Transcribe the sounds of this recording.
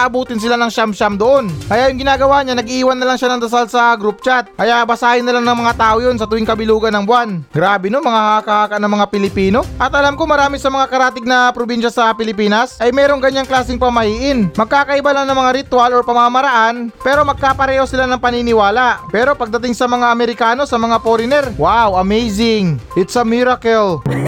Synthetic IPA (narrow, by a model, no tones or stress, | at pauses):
ʔɐbuːt̪ɪns̬ɪlanɐŋʃamʃamd̪oʔo̞nkɐjaʔjʊŋɡɪnaːɡɐwaɲanɐɡiʔiːwɐnːɐlɐŋʃanɐŋd̪ɐs̬alsɐɡɾup̚t͡ʃat̪̚kɐjaʔbɐsaːhɪnːɐlaŋnɐŋmɐŋat̪aːʔojons̬ɐt̪ʊwɪŋkɐbɪluːɡɐnɐŋbwanɡɾaːbɪnomɐŋahakɐhaːkɐʔnɐŋmɐŋapɪlɪpiːno̞ʔɐt̪ʔɐlamko̞mɐɾaːmisɐmɐŋakɐɾaːt̪ɪɡ̚nɐpɾobinʃɐsɐpɪlɪpiːnɐsʔɐjmɛːɾo̞ŋɡɐɲːaŋklaːsɪŋpɐmɐhiːʔɪnmɐɡ̚kaːkɐʔɪbalaŋnɐŋmɐŋaɾɪt̪waloɹpɐmamɐɾɐʔanpɛːɾo̞mɐɡ̚kapɐɾɛːho̞sɪlanɐŋpɐninɪwaːlaʔpɛːɾo̞pɐɡ̚d̪ɐt̪ɪŋsɐmɐŋaʔɐmɛɾɪkaːno̞sɐmɐŋapoɾɪnɛɾwawɐmɛjsɪŋʔɪt̪sɐmiɾɐkɛl